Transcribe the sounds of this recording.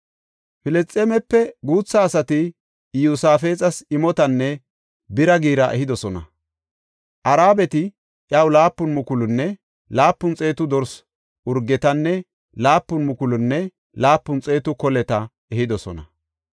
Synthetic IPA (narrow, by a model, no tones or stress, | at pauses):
fɪlɛt͡sʼːeːmɛpːɛɡuːt͡sːɐːsɐt̪ɪ | jusaːfe̞ːt͡sʼɐsɪmɔt̪ɐnːɛ | bɪɾɐɡiːɾɐʔɛɦɪd̪ɔsɔnɐ̰ | ʔɐɾaːbɛt̪ɪ | ʔjɐwlaːpːʊnmʊkʊlʊnːɛ | laːpːʊnt͡sʼe̞ːt̪ʊd̪ɔɾs | ʊɾɡːɛt̪ɐnːɛ | laːpːʊnmʊkʊlʊnːɛ | laːpːʊnt͡sʼe̞ːt̪ʊkɔlɛt̪ɐ | ɛɦɪd̪ɔsɔnɐ